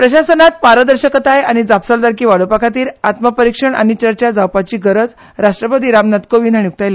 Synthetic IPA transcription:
pɾəɕasənat̪̚paɾəd̪əɾɕəkət̪ajaɽ̃id͡zapsəld̪aɾkiːʋaɽopakʰat̪̬iːɾat̪məpəɾikʂəɳʔa̰ɽ̃it͡ɕəɾt͡ɕad͡zawpat͡ɕiːɡəɾəd͡z | ɾaʂʈɾəpəd̪iːɾamnat̪koʋiːnd̪aɳnijuk̚t̪ajla

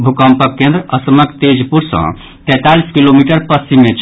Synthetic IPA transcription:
bʱukə̃mpəkːẽnd̪ɾəʔəsməkt̪ed͡ʒpuɾsə̰̃ | t̪ɛt̪aliskilomiʈəɾpəst͡ʃimːet͡ʃ

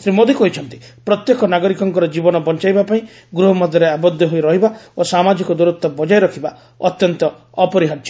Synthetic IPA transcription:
sɾimod̪ikɦoit͡ʃʰɔnt̪i̥ | pɾɔt̪jekɔnaɡɔɾikɔŋkɔɾɔd͡ʒibɔnɔbɔnt͡ʃajbapaĩ | ɡɾuɦɔmɔd̪ʱjɔɾeabɔd̪ʱːɔɦoiɾɔɦibaosamad͡ʒikɔd̪uɾut̪ːɔbɔd͡ʒajɾɔkʰiba | ɔt̪jɔnt̪ɔ | ɔpɔɾiɦaɾd͡ʒi

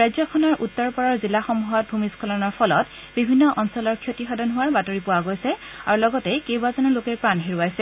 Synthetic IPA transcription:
ɹajzɔkʰɔnɔɹʔutːɔɹpɔɹɔɹzilaxɔmuɦat̚bʱumiskʰɔlɔnɔɹpʰɔlɔt | bibʱinːɔʔɔnsɔlɔɹkʰjotixɔdʱɔnɦʊwaɹbatoɹipʊwaɡojsɛ | aɹulɔɡɔtɛkewbazɔnɔlokɛɹpɹanɦiɹuwajsɛ

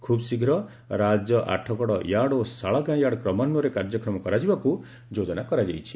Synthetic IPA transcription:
kʰubsiɡʱɾɔ | ɾad͡ʒɔʔa̰ʈʰɔkɔɽɔjaɽosaɭɔɡãjaɽɔkɾɔmanɔɾekaɾd͡ʒɔkɾɔmɔkɔɾad͡ʒibaku | d͡ʒod͡ʒɔnakɔɾad͡ʒajt͡ʃʰi̥

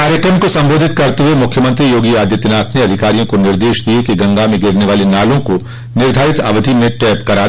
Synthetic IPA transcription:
kaːɾjəkɾəmkosɐ̃mboːd̪ʱɪt̪kɐɾt̪eɦuemʊkʰjəmɐ̃nt̪ɾijoːɡiaːd̪jət̪ɪnaːt̪ʰneɐd̪ʱɪkaːɾijõkonɪɾd̪eːʃd̪iekiɡɐ̃ŋɡamẽɡɪɾneʋaːlenaːlõko | nɪɾd̪ʱaːɾɪt̪ɐ̰ʋəd̪ʱimẽʈɛːpkɐɾaː

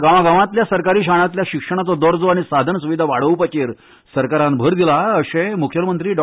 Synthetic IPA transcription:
ɡaʋaɡaʋãt̪ljasəɾkaɾiːɕaɳ̃ãt̪ljaɕikʂəɳ̃at͡sɔd̪əɾd͡zoaɽ̃isad̪ʱənsuʋid̪ʱaʋaɽ̤əʋpət͡ɕeɾ | səɾkaɾãnbʱəɾd̪ilaəɕẽmukʰjəmənt̪ɾiːɖɔ

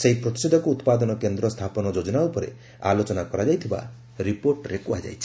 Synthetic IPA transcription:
seɦipɾɔt̪i̥sed̪ʱɔkuut̪pad̪ɔnɔkend̪ɾɔst̪ʰapɔnɔd͡ʒod͡ʒɔnaupɔɾḛ | a̰lot͡ʃɔnakɔɾad͡ʒajt̪ʰiba̰ | ɾipoɾʈɾekuad͡ʒa̰jt͡ʃʰi̥

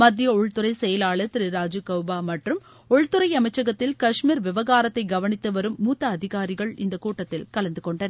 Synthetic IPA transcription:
mɐd̪ːɪjɐɔɻt̪ːɯɾɐɪsɛjɐlaːɭɐt̪ɪɾiɾaːd͡ʒɯkɐʊbaːmɐʈrɯm | ɔɻt̪ːɯɾɐɪɐmɐɪt͡ʃːɐɣɐt̪ːɪlkɐʂmiːɾʋɪʋɐɣaːɾɐt̪ːɐɪɡɐʋɐnɪt̪ːɯʋɐɾɯmːuːt̪ːɐːðɪɣaːɾɪɣɐɭɪ̰nd̪ɐkuːʈːɐt̪ːɪlkɐlɐnd̪ɯkɔɳɖɐnɐ

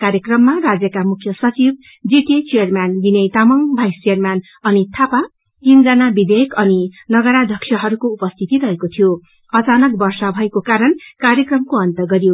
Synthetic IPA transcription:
kaɾjekrʌmːarad͡zjʌkamukʰjʌsʌt͡sib | d͡ziʈit͡sijʌrmand̪inejt̪amʌŋbʱajsejʌrman | ʌnit̪ʰapa | t̪ind͡zʌnabid̪ejkʌninʌɡʌɾad̪ʱʌkʂʰjʌɦʌɾukoupʌst̪ʰit̪iɾʌɦekot̪ʰijo | ʌt͡sanʌk̚bʌrsʌbʱʌekokaɾʌnkaɾjʌkrʌmkoʌnt̪ʌɡʌɾijo

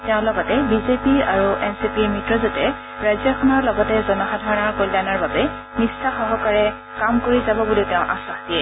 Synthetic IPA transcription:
teʊ̃lɔɡɔtɛbizepia̰ɹuɛnsipiɹmitɹɔzɔtɛ | ɹajzjakʰɔnɔɹlɔɡɔtɛzɔnɔxadʱaɹɔnaɹkojlːanaɹbabɛ | misaxɔɦɔkaɹɛ | kamkoɹizabɔbulitɛʊ̃ʔa̰saxdiɛ

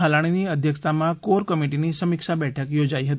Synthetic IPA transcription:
ɦəlaɽ̃iniːəd̪ʱjəkst̪ʰamãkoɾkəmiʈiniːsəmikʂabɛʈʰəkjod͡zaiɦət̪i

